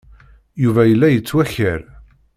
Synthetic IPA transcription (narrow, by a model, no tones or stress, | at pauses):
juvæjəlːæjət͡sːwæçəɾ